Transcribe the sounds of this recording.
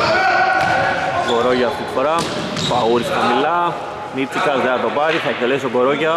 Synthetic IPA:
ɡoɾoʝɐːft̪it̪i̥foɾɐ | pɐuɾisxɐmilɐ | mit͡sikɐzðenɐt̪opɐɾiθɐek̚t̪elesoɡoɾoʝɐ

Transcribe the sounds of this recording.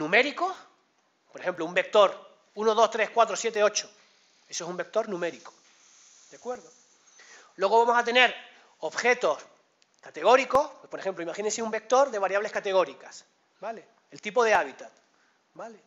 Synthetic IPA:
nũme̞ɾiko̞s | poɾexe̞mploumbe̞k̚t̪o̞ɾ | unoð̞o̞st̪ɾe̞skwat̪ɾosje̞t̪e̞o̞t͡ʃo̥ | e̞soesumbe̞k̚t̪o̞ɾnũme̞ɾiko̥ | d̪̥akwe̞ɾðo | lwe̞ɣo̞βamo̞sat̪e̞ne̞ɾ | oβxe̞t̪o̞s | kat̪e̞ɣ̞o̞ɾiko̞spwe̞spo̞ɾe̞xe̞mplo̞imaxinenseumbe̞k̚t̪o̞ɾðe̞β̞aɾjaβle̞hkat̪e̞ɣ̞o̞ɾikas | bale̞ːlt̪ipo̞ð̞eaβ̞it̪at̪ | bale̞

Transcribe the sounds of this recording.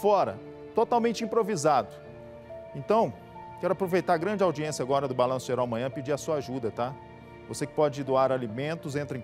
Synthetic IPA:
fɔɾɐ̰ | t̪ot̪awmẽnt͡ʃɪĩpɾovizad̪ʊ | ẽnt̪ɐ̃w̃ | kɛɾʊapɾovejt̪aɾɡɾɐ̃nd͡ʒawd͡ʒiẽsjaɡɔɾɐd̪ʊbalɐ̃sʊ̥ʒeɾawɐmɐ̃ɲ̃ɐ̃pɪd͡ʒiɾɐsuɐaʒud̪ɐt̪a | vosekɪ̥pɔd͡ʒɪd̪oaɾalimẽnt̪ʊzẽt̪ɾɪẽ

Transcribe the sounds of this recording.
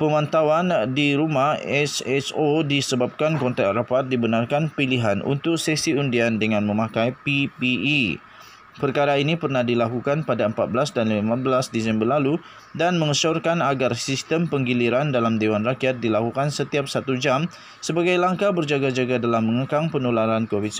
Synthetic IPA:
pəmãnt̪awandiɾumahɛsɛsodisəbap̚kankɔnt̪at̪rapat̪̚dibənarkanpiliɦanʔṵnt̪ʊk̚sɛsiundiandəŋãnmə̃mãkajpipii | pərkaɾainipərnahdilakukanpadaəmpat̪̚bəlasdanlimabəlasdisɛmbərlalu | danməŋəsɔrkanaɡarsist̪əmpəŋɡiliɾandalamdewanrakijat̪̚dilakukansət̪iap̚sat̪ud͡ʒam | səbaɡajlaŋkabərd͡ʒaɡad͡ʒaɡadalamːəŋəkaŋpənulaɾankovit̪̚s

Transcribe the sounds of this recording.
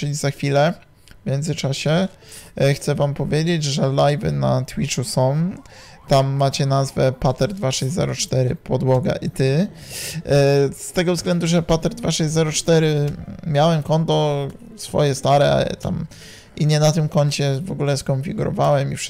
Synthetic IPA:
t͡ʂɘlʲizaxfʲilɛ | vmʲjɛnzɘt͡ʂaɕɛ | xt̪sɛvampɔvʲjed͡ʑed͡ʑʐɛlajvɘ̰nat̪wit͡ʂusɔ̃w̃ | t̪amːat͡ɕɛnazvɛpat̪ɛɾd̪vaʂɛʑzɛ̰ɾɔt͡ʂt̪ɛɾɘpɔd̪wɔɡa̰ʔit̪ɘ | st̪ɛɡɔvzɡlɛnd̪uʐɛpat̪ɛɾd̪vaʂɛʑʲzɛɾɔt͡ʂt̪ɛɾɘmʲjawɛmkɔnt̪ɔ | sfɔ̰jɛst̪aɾɛ̰t̪a̰m | iɲɛnat̪ɘmkɔɲt͡ɕɛvɔɡulɛskɔnfʲiɡuɾɔ̰vawɛmifʂ

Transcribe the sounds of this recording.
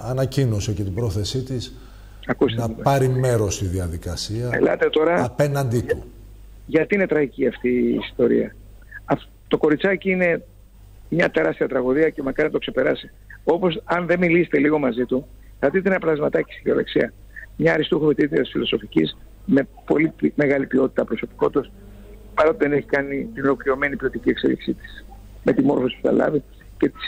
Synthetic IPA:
ɐnɐcino̞secet̪ibɾo̞θe̞sit̪is | ɐkust̪ɐpɐɾime̞ɾo̞st̪iðiɐðikɐsiɐḛlɐ̰t̪e̞t̪oɾɐɐpenɐnd̪it̪u | ʝɐt̪iine̞t̪ɾɐɣiciɐft̪iːst̪o̞ɾḭɐ̰ | ɐf | t̪o̞ko̞ɾit͡sɐciine̞ | mɲɐt̪e̞ɾɐst̪iɐt̪ɾɐɣuðiɐce̞mɐkɐɾinɐt̪o̞kse̞pe̞ɾɐsi̥ | o̞po̞sɐnðe̞milist̪e̞liɣo̞mɐzit̪u | θɐt̪it̪einɐpɐlɐzmɐt̪ɐci̥st̪iðio̞le̞̰ksiɐ | mɲɐːɾist̪uxovit̪it̪iɐt̪isfilo̞so̞ficis | mepo̞̰lime̞ɣɐlipio̞t̪i̥t̪ɐpɾo̞so̞pi̥ko̞t̪us | pɐɾo̞t̪eðeneçi̥kɐnit̪inolo̞kɾiɾo̞me̞nipio̞t̪iciekse̞̰lḭksḭt̪i̥s | me̞t̪imo̞ɾfo̞si̥pu̥θɐ̰lɐ̰vi | ce̞t̪i̥s

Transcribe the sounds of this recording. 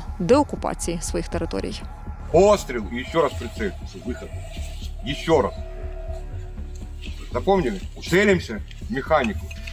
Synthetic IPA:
d̪ɛɔkʊpɑ̰t͡sʲijisʋɔjixt̪eɾɪt̪ɔ̰ɾʲḭj | ost̪ɾʲɪlˠjɪɕːoɾaspɾʲɪt̪seɪsəvɨxət̪̚ | jɪɕːoɾa̰s | zɐpomnʲɪmʊeɾʲɪmsʲɐ | mʲɪxanʲɪkʊ

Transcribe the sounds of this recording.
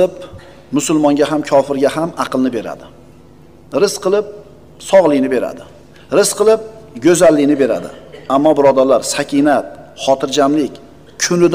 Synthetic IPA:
ɪp | mʊsʊlˠmɒŋɡʲaɦamkʰɒfɪɾɡʲahamɑqʰɨlˠnɪbe̞ɾa̰d̪ɪ | ɾɪsqʰɨlˠɪp̚ | sɒʁlˠɪnɪbe̞ɾa̰d̪ɪ | ɾɪsqɨlˠɪp̚ɡʲɵzalːɪnɪbe̞ɾa̰d̪ɪ̰amːɒbɪɾɒd̪aɾlaɾsakʲʰinat̪̚χɒt̪ʰɪɾd͡ʒamlɪkʲ | kʰʊnɪd̪

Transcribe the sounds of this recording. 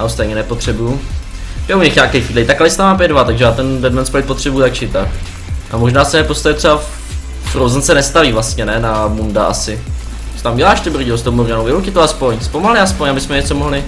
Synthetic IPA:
ʔaost̪ejɲɛnɛpot̪r̝̥ɛbuju | ɛuɲɛxɲaːkɛjxviːlɛt̪akalɪst̪amaːp̬jɛdvat̪aɡʒɛjaːt̪ɛndɛdmɛntspaɪt̪̚po̞t̪r̝̥ɛbujuzakt͡ʃɪt̪ak | ʔamo̞ʒnaːsɛɛpost̪acɛt̪rɛba | fɾowzɛnt͡sɛnɛst̪aviːvlast̪ɲɛnɛnabundaʔa̰sɪ | sɛ̥t̪amɟɛlaːʃt̪ɪbr̩ɟɪos̬t̪owmuɾanowvɪowcɪt̪oaspo̞ɲspo̞malɪaspo̞ɲabɪsmɛɲɛt͡so̞moɦlɪ

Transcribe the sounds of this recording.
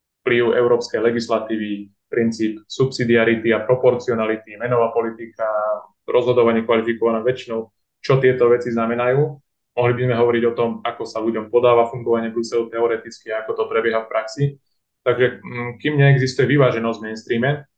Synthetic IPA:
fpliʊɛ̰ʊɾɔːpskɛjlɛɡislat̪iːʋi | pɾint͡siːpsupsid̪iaɾit̪iapɾɔpɔɾt͡siɔnalit̪imɛnɔʋaːpɔlit̪ika | ɾɔzɦɔd̪ɔʋaɲɪɛkʋalifikɔʋanaʋɛt͡ʃinɔʊ | t͡ʃɔt̪ɪɛt̪ɔʋɛt͡siznamɛnajuː | mɔɦlibizmɛɦɔʋɔɾiɟɔt̪ɔmakɔsaluɟɔmpɔd̪aːʋafuŋɡɔʋaɲɪɛbɾusɛlut̪ɛɔɾɛt̪it͡skiaakɔt̪ɔpɾɛbjɛɦafpɾaksi | t̪aɡʒɛkiːmɲɛɛɡzist̪ujɛʋiʋaːʒɛnɔzɟvmɛnst̪ɾiːmɛ

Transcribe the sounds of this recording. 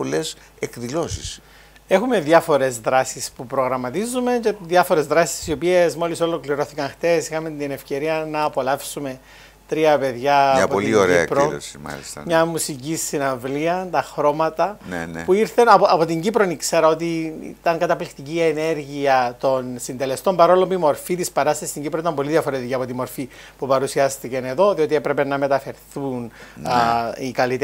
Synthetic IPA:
po̞les | ekðilo̞sis | e̞xume̞ðjɐfo̞ɾe̞zðɾɐsispupɾo̞ɣɾɐmːɐt̪izume̞ceðjɐfo̞ɾe̞zðɾɐsi̥ssio̞piezmo̞liso̞lo̞kliɾo̞θikɐnxθe̞sixɐment̪ine̞fce̞ɾiɐnɐːpo̞lɐfsume̞ | t̪ɾiɐpe̞ðʝɐːɐpooliioɾeiɐ̰kpɾolo̰simɐ̰lḭst̪ɐ̰mɲɐmusicisːinɐvliɐnt̪ɐxɾo̞mɐt̪ɐnḛn̰puiɾθenɐpoɐpo̞t̪iɲɟipɾonikse̞ɾɐo̞t̪ḭt̪ɐŋkɐt̪ɐplikt̪iciene̞ɾʝiɐt̪o̞nsind̪e̞le̞st̪o̞mbɐɾolompimo̞ɾfit̪ispɐɾɐst̪ɐsist̪iɲɟipɾoit̪ɐmbo̞liðiɐfo̞ɾe̞t̪iciɐpo̞t̪imo̞ɾfi | pupɐɾusiɐst̪icɐne̞ðo̞ðio̞t̪ie̞pɾe̞pe̞nɐme̞t̪ɐfe̞ɾθun | ikɐlit̪e

